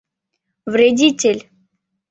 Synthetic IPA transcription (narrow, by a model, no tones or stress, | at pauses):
vɾʲedʲitʲelʲ